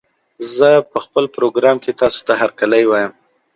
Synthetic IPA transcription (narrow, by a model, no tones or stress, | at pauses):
zəpəxpəlpɾoɡɾɑmket̪ɑso̥t̪aɦaɾkaləjwɑjəm